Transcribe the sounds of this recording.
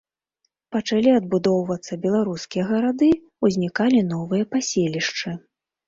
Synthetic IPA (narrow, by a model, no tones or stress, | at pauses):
pɐt͡ʂalʲiɐd̪̚bud̪ɔwvɐt̪sːɐbʲɛlˠaɾuskʲijɐɣɐɾad̪ɨ | uzʲnʲikalʲin̪ɔvɨjɐpasʲelʲiʂt͡ʂɨ